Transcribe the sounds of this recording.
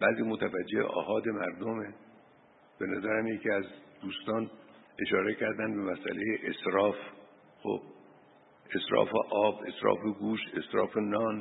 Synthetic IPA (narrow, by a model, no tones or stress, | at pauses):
b̥æːziːmot̪ʰævæd͡ʒːehḛʔɒ̰ːhɒːd̪e̞mæɾd̪ome | b̥e̞næzæɾæmjecʰiæzd̪̥uːst̪ɒːnʔe̞ʃɒːɾe̞cʰæɾd̪ænd̪be̞mæsʔæ̰lejeʔesɾɒːf | xo̰b̥ | ʔe̞sɾɒ̰ːfḛʔɒːbe̞̰sɾɒ̰ːfeɡuːʃt̪e̞sɾɒːfenɒːn